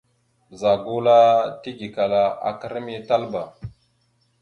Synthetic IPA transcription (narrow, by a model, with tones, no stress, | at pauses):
za˨ɡu˦la˦ti˦ɡi˨ka˨la˨a̰˨kə˦ɾmi˦ta˦lba˨